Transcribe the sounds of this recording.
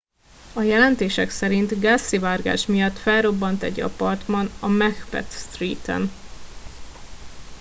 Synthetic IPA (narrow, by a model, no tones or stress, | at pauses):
ɒjɛlɛnt̪eːʃɛksɛɾint̪ɡasːivaːrɡa̰ːʃmijɒt̪ːfɛlro̞bːɒnt̪ɛ̰ɟɒ̰pɒrt̪mɒnɒmɛxpɛ̰t̪st̪riːt̪ɛ̰n